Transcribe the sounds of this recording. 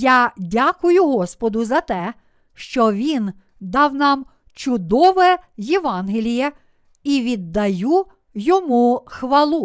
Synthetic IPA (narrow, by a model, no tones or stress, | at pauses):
jadʲakʊjʊɦɔspɔd̪ʊzɐt̪ɛ | ʃt͡ʃɔʋʲin | d̪ɑwnɑm | t͡ʃʊd̪ɔʋɛjɛʋɑnɦɪlʲijɛ | iʋʲid̪ːɐju | jɔmuxʋɐlˠu